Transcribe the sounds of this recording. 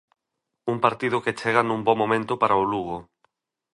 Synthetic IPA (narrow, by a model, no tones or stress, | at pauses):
uŋpaɾt̪iðʊket͡ʃeɣanũmbɔmõmẽnt̪ʊpaɾaoluɣo